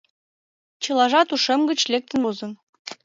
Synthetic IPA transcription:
t͡ɕɤlˠɑʒɑt̪uʃĕmɡə̆t͡ɕlek̚t̪ə̆nozɤ̆n

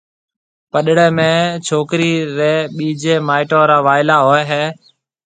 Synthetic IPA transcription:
pəɗɽeːmẽːt͡ʃʰoːkɾiːɾeːɓiːd͡ʒeːmaːɪʈõːɾaːʋaːɪlaːɦoːeɦeː

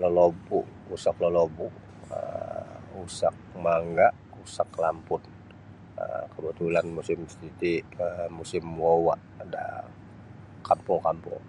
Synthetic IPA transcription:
ləlobuʔ | usakləlobuʔ | ə̰ | usak̚maŋɡaʔ | usaklampʊn | ə̰kəbut̪ulanmusɪmst̪it̪imusɪmwowaʔ | da̰ | kampʊŋkampʊ̰ŋ

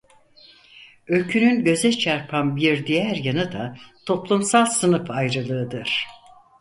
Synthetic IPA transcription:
ø̞lʲcʰynynɟø̞zɛt͡ʃʰaɾpʰanbiɾd̪ijæɾjanɯd̪at̪ʰo̞plˠumsalˠsɯnɯfajɾɯlˠɯɯd̪ɯɾ̥

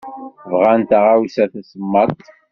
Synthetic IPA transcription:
vʁant̪aʁawsæθæsəmːɑt̪ˤ

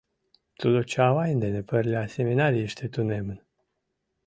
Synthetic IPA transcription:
t̪ud̪ot͡ʃawajind̪enepəɾlʲeaseminaɾieʃt̪ʰet̪unemɨn

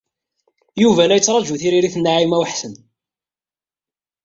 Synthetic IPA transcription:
juvælæjət͡sːɾˤɑd͡ʒuθiɾiɾiθnːaʕimæwħsən

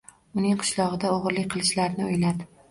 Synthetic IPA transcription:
ʊnɪŋqʰɨ̥ʃlˠɒʁɨd̪aoʁɾlɪk̚ʲqʰɨlˠɪʃlaɾnɪʊjlad̪ɪ

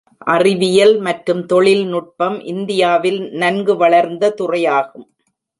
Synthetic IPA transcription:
ʔɐrɪʋɪjɐlmɐʈɾɯmt̪ɔɭɪlnʊʈ̚pɐmʔɪnd̪ɪjaːʋɪlnɐnɡɯʋɐɭɐɾnd̪ɐt̪ʊrɐjaːɣɯm

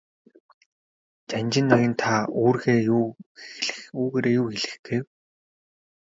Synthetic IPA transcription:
t͡ɕanʲt͡ɕɪ̆nːaɣʲĭnt̪ʰaoːrɣeːjuːɮuːɣeːɾeːjuːxeɮɘ̆xɡ̥ew

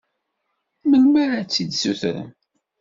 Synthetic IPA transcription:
məlmæɾat͡sːid̪suθɾə̰n

